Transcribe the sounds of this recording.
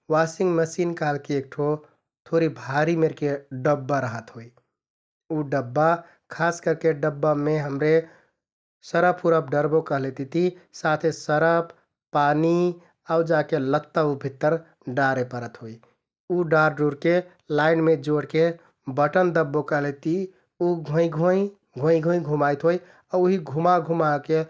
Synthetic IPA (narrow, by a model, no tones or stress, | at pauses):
wasɪŋɡməsiːnkalkeeːk̚ʈʰo | t̪ʰoɾibʱaɾimeɾkeɖəbːaɾəɦət̪ɦoi | uɖəbːa | kʰaːskəɾkeɖəbːameɦəmɾe | səɾəpʰuɾəp̚ɖəɾbokəɦlet̪it̪isat̪ʰesəɾəp | pani | aud͡ʒakelət̪ːaubʱit̪ːəɾ | ɖaɾepəɾət̪ɦoj | uɖaɾɖuɾke | laɪnmed͡ʒoɽke | bəʈənd̪əbːokəɦlet̪i | uɡʱõĩɡʱõi | ɡʱõĩɡʱõjɡʱumajt̪ɦoj | auɦiɡʱumaɡʱumake